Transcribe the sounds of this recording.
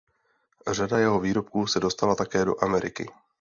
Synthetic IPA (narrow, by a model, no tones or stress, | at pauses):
r̝adajɛɦo̞viːɾo̞pkuːsɛdo̞st̪alat̪akɛːdo̞̰ʔamɛɾɪkɪ̰